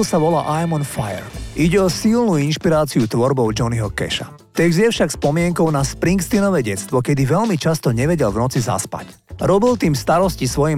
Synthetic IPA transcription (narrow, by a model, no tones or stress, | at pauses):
saʋɔla̰ːʔajmɔnfajɛ̰ɾʔiɟɛɔsilnuːinʃpiɾaːt͡siut̪ʋɔɾbɔʊd͡ʒɔniɦɔkɛ̰ʃa̰ | t̪ɛɡzjɛfʃakspɔmɪɛŋkɔʊnaspɾiŋkst̪inɔʋɛːɟɛt̪t͡st̪ʋɔkɛd̪iʋɛlmit͡ʃast̪ɔɲɛʋɛɟɛlʋnɔt͡siza̰spa̰cɾɔbilt̪iːmst̪aɾɔscisʋɔjim